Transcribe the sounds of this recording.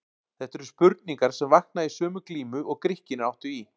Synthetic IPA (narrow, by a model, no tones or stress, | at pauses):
θɛht̪ɛɾʏspʏɾt̪niŋkaɾ̥sɛmvahk̪naisœːmʏkliːmʏʔɔɣkɾɪhcɪnɪawht̪ʏi